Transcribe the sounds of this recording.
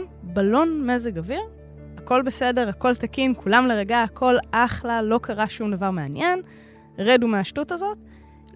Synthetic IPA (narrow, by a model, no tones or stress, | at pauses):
balo̞nme̞zeɡaviʁ | ako̞lbese̞de̞ʁako̞lt̪akinkulamleʁeɡaːkʰo̞laχlalo̞kʰaʁaʃumdavaʁmeanje̞n | ʁedumeaʃtutazo̞t